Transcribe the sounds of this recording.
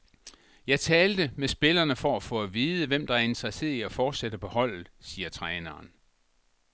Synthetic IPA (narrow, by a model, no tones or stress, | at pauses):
jɑ̈ɪt͡sʰɛːld̥əmesb̥e̝lɐnəfɒ̽æfɔ̽æʋiːðˠəʋem̰d̥ɑ̈æɐe̝nd̥ʰʁɐse̝̰ːð̩ˠiæfɒːd̥sed̥əpʰɒ̽hɒ̽l̰ð̩ˠsiːɐt͡sʰʁɛːnɐːn